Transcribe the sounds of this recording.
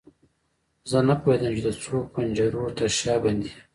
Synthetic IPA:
zənapohed̪əmt͡ʃed̪ət͡sopand͡ʒaɾot̪aʃɑband̪i

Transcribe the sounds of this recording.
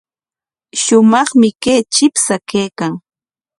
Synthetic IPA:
ʃʊmɑχmɪkeːt͡ʃɪpsakeːkaŋ

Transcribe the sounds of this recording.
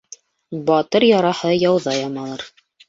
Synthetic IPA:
bɑt̪ɤɾjɑɾɑhɤjɑwðɑjɑmɑlˠɤɾ

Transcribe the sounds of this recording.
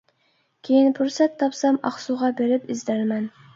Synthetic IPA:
kʲʰejinpʰuɾsɛt̪ʰːɑpsɑmɑ̰χsuʁɑbeɾɪpɪzd̪æɾmɛn

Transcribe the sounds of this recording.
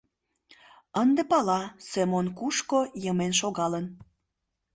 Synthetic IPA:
ənd̪epɑlɑsemonkuʃkojəmenʃoɣɑlən

